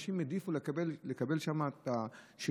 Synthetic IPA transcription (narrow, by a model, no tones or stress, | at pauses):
ʃimjed̪ifulekbellekabe̞lʃamat̪a | ʃe